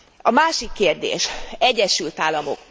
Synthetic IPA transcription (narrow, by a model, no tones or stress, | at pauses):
ɒmaːʃikːeːrd̪ḛːʃɛɟːɛʃylt̪aːlːɒmo̞̰k